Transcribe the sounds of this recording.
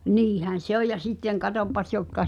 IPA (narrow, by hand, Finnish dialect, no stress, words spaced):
niːhæn̞ se oj jɑ sitːeŋ kɑtopːɑs jotkɑ